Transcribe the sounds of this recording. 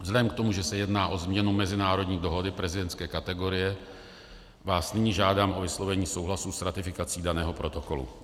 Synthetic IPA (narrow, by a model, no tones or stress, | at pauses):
vzlɛɛmkt̪o̞muʒɛsɛjɛdnaːʔo̞zmɲɛnumɛzɪnaːɾo̞dɲiːdoɦo̞dɪpɾɛzɪdɛnt̪skɛːkat̪ɛɡo̞ɾɪjɛ | vaːsnɪɲiʒaːdaːmʔo̞vɪslo̞vɛɲiːso̞wɦlasusɾat̪ɪfɪkat͡siːdanɛːɦo̞pɾo̞t̪o̞ko̞lṵ